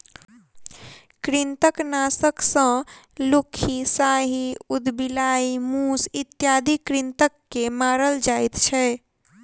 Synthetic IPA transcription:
kɾint̪əknasəksə̃ | lukʰːisaɦiud̪bilaimusit̪jad̪ʱikɾint̪əkːemaɾəld͡ʒajt̪t͡ʃʰɛ

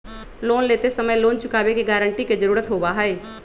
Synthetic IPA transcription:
loːnleːt̪esəməjloːnt͡ʃʊkaːʋekeɡaːɾə̃ɳʈiked͡ʒəɾuːɾət̪ɦoːbaɦɛeː

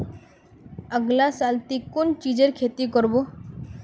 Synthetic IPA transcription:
əɡlasaːlt̪ikʊnt͡ʃid͡ʒeɾkʰeːt̪ikɔɾbo

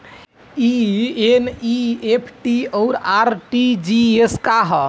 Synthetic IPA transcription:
ieniepʰʈiɔʊɾaɾʈid͡ʒieskaɦɔ

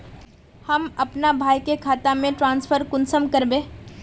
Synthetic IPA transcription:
hɐmɐpnabʱaːjkekʰaːt̪amẽʈɾãːnspʰəɾkʊnsəmkɐɾbẽː

